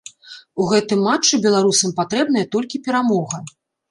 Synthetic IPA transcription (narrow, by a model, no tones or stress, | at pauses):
uɣɛt̪ɨmːat͡ʂːɨbʲɛlˠaɾusɐmpat̪ɾɛbn̪ɐjɐt̪ɔlʲkʲipʲɛɾamɔɣɐ